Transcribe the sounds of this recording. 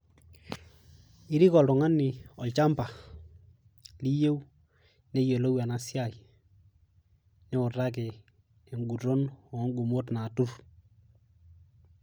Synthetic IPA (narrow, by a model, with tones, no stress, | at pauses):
i˦ɾi˦kɔ˨lʊ˨ŋa˦nɪ˨ɔ˨lt͡ʃa˦mpa˨ | li˦je˦w | nɛ˦jo˨lo˦wa˨na˨sja˦˨i˨ | nɛ˦ʊ˨ra˦k̬ɛ˨ | ɛ˨ŋɡu˨ɾo˦nɔ˨˦ŋɡu˨mo˦tna˨tu˦r